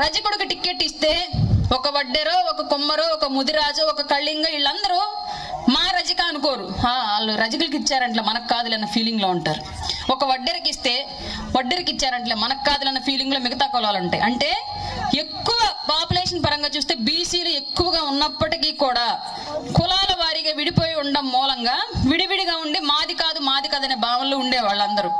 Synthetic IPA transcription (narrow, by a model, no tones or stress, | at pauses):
ɾɐd͡ʒɐkuɽukuʈikːe̞ːʈːist̪e̞ːɔkɐʋɐɖːeɾoːɔkɐkumːɐɾoɔkɐmud̪iɾaːd͡ʒuɔkɐkɐɭːiŋɡaːiɭːɐnd̪ɐɾu | maːɾɐd͡ʒɐkaːɐnuko̞ːɾuaːaːlːuɾɐd͡ʒikulk̬it͡ʃːaːɾɐɳʈleːmɐnɐkːaːd̪ulɐnːɐpʰiːliŋɡloːuɳʈaːɾu | ɔkɐʋɐɖːeɾikist̪e̞ː | ʋɐɖːeɾikit͡ʃːaːɾɐɳʈleːmɐnɐkːaːd̪ulɐnːɐpʰiːliŋɡloːmiɡɐt̪aːkɔlaːlɐɳʈḛʔɐɳʈe̞ː | e̞kːuʋɐpaːpuleːʂɐnpɐɾɐŋɡaːt͡ʃuːst̪e̞ːbiːsiːlue̞kːuʋɐɡaːunːɐpːɐʈikikuːɽaː | kulaːlɐʋaːɾiɡaːʋiɽipoːjiuɳɖɐmːɔːlɐŋɡaːʋiɽiʋiɽiɡaːuɳɖimaːd̪ikaːd̪umaːd̪ikɐd̪ɐneːbaːʋɐnloːuɳɖeːʋaːɭːɐnd̪ɐɾu